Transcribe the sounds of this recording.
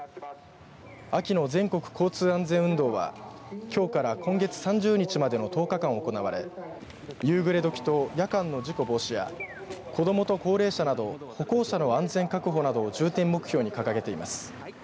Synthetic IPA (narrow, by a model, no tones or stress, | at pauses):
akʲino̞zẽ̞ŋko̞kɯ̟̥kʰo̞ːt͡sɨːãnd͡zẽ̞ɰ̃ɯ̟̃nd̪o̞ːβa̰kʲo̞ːkaɾakõ̞ŋɡe̞t͡sɨ̥sãɲ̟d͡ʑɨːɲ̟it͡ɕimad̪e̞no̞t̪o̞ːkakãɰ̃oko̞naβaɾe̞̰ | jɯ̟ːɡɯ̟ɾe̞d̪o̞kʲi̥t̪o̞jakãnːo̞ʑiko̞bo̞ːɕija̰ | kʰo̞d̪o̞mo̞t̪o̞ko̞ːɾe̞ːɕanad̪o̞ho̞ko̞ːɕano̞ãnd͡zẽ̞ŋkakɯ̟ɦo̞nad̪o̞ːd͡ʑɨːt̪ẽ̞mːo̞kɯ̟çjo̞ːɲ̟ikakaɡe̞t̪e̞imasɨ̥